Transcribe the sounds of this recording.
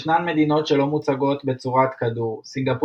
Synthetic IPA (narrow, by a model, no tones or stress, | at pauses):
ʃnanme̞d̪ino̞tʃe̞lo̞mut͡saɡo̞t̪be̞t͡suʁat̪kaduʁsiŋɡap